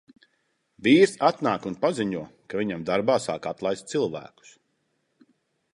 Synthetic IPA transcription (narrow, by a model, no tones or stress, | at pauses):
viːɾsat̪naːkunpaziɲuɔkaviɲamd̪aɾbaːsa̰ːkat̪lˠajst̪t̪silˠvæ̰ːku̥s